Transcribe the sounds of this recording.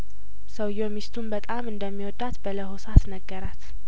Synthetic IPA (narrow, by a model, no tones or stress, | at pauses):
səwjomist̪ʰumbət̪ʼamɨnd̪əmːiwɔd̪at̪bələhosat̪nəɡːəɾat̪